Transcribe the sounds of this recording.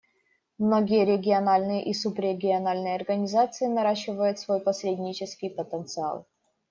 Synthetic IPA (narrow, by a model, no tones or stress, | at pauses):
mnoɡʲɪjəɾʲɪɡʲɪɐnalʲnɨjəʔisupɾʲɪɡʲɪɐnalʲnɨjəɐrɡənʲɪzat̪sɨɪnɐɾaɕːɪvəjʊt̪svo̞jpɐsʲɾʲedʲnʲɪt͡ɕɪskʲɪjpət̪ənt̪sɨa̰lˠ